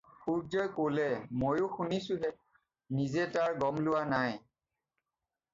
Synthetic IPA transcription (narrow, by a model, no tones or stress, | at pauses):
xuɹzɔjkolɛmojʊxunisʊ̃ɦɛ | nizɛtaɹɡɔmlʊwanaj